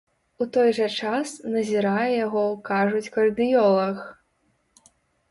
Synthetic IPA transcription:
ut̪ɔjʐɐt͡ʂasnɐzʲiɾajɛjaɣɔkaʐut͡sʲkɐrd̪ɨjɔlˠɐx

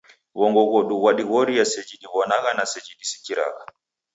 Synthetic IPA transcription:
βɔŋɡɔɣɔɗuɣwaɗiɣɔɾijasɛd͡ʒiɗiβɔnaɣanasɛd͡ʒiɗisi̥kiɾa̰ɣa

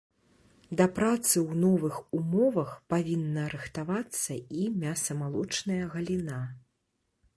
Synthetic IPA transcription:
d̪ɐpɾat̪sɨwnɔvɨxumɔvɐxpavʲinːɐɾɨxt̪avat̪sːɐimʲasɐmalˠɔt͡ʂnɐjɐɣɐlʲina

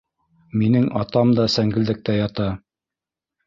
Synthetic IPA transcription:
minɘŋɑt̪ɑmd̪ɑsæŋɡɘ̆ld̪ɘ̆k̚t̪æjɑt̪ɑ

